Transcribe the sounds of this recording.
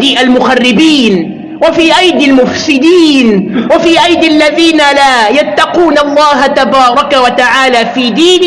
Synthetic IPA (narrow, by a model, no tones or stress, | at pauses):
iːʔalmʊxarːɪbiːn | wafiːʔajd̪almʊfsɪd̪iːnwafiːʔajd̪alːaðiːnalaːjat̪ːɑquːnalˤːɑːɦat̪abɑːɾˤɑkawat̪aʕaːlaːfiːd̪iːn